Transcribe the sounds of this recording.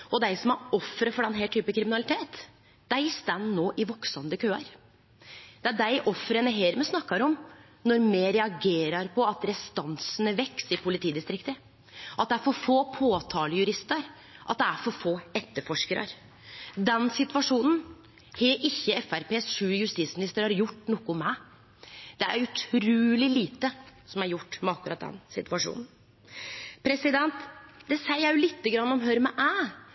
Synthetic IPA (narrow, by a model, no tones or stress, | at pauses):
ɔd̪æɪsɔmæɔfːɾəfɔɖɛnɦeːʈ̪ʰyːpəkʰɾɪmɪnɑlɪt̪ʰeːt̪ | d̪̥æɪst̪ɛnːnoːʔɪʋɔksɑnd̪əkʰøːɑɾ | d̪̥ɛæɖæɪʔɔfːɾənəɦeːɾmɛsnɑkːɑɾɔm | nɔɾmeːɾɛɑɡeːɾɑɾpʰɔɑt̪ɾɛst̪ɑnsənəʋɛksɪpʰʊlɪt̪ʰiːd̪ɪst̪ɾɪkt̪ə | ʔɑt̪̚d̪ɛæɾfɔɾfoːpʰoːt̪ʰɑːləjʉɾɪst̪əɾ | ʔɑt̪̚d̪ɛæɾfɔɾfoːɛt̪ːəɾfɔʂkəɾə̰ɾ | d̪ɛnsɪt̪ʉʋɑʂuːnn̩ | hɛʔɪçːəɛfæɾpeːsʂʉːjʉst̪it̪smɪnɪst̪əɾhɑɾjʊʈːnɔkːʊmæɪ | d̪ɛæ̰ɾʉt̪ʰɾʉːlɪliːt̪əsɔmæɾjʊʈːmɛɑkːʉɾɑt̪̚d̪ɛ̰nsɪ̰t̪ʉʋɑʂṵːnn̩ | pʰɾɛsɪd̪ɛnt̪d̪ɛsæɪjæjʊlɪt̪ːəɡɾɑnːɔmɦøɾmɛʔæː